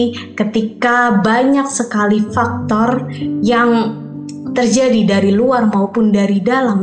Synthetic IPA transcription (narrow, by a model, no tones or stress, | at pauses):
kət̪ikabaɲak̚səkalifak̚t̪ɔrjaŋ | t̪ərd͡ʒadidaɾiluarmaupʊndaɾidalam